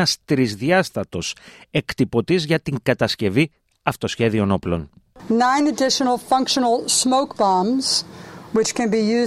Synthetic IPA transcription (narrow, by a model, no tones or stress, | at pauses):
ɐst̪ɾizðɐst̪ɐt̪o̞se̞kt̪ipo̞t̪izʝɐt̪iŋɡɐt̪ɐsce̞vi | ɐft̪o̞sçe̞ðio̞no̞plo̞̰nnãɪ̃nɨdɪʃənl̩ˠfʌ̃ŋkʃənəl̩ˠsmoʊkb̥ɑːmz̥wɨt͡ʃkʰɨ̃nbijʉ